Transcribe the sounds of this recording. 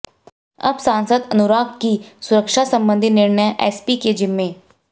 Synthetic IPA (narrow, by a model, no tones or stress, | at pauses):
ɐ̰bsaːnsəd̪ənʊɾaːkkisʊɾəkʃasə̃mbə̃nd̪ʱinɪɾnəʔɛːspiked͡ʒɪmːẽː